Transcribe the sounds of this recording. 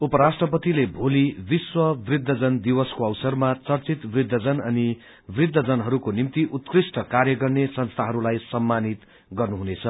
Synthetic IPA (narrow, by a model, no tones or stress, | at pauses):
upʌɾasʈrʌpʌt̪ilebʱolibiswʌbrid̪ʱːʌd͡zʌnd̪iwʌskoʌwsʌrmat͡sʌrt͡sit̪brid̪ʱːʌd͡zʌnʌni | brid̪ʱːʌd͡zʌnɦʌɾukonimt̪iʔut̪krisʈʌkarjʌɡʌrnesʌnst̪ʰaɦʌɾulajsʌmːanit̪ | ɡʌrnuɦunet͡sʰʌ